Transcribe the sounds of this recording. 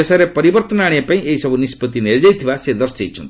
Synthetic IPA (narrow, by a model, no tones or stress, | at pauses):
esaɾepɔɾibɔɾt̪ɔnaɽ̃epãĩʔeisɔbʱunispɔt̪̬ineɾd͡ʒajt̪ʰibased̪ɔɾseit͡ʃʰɔnt̪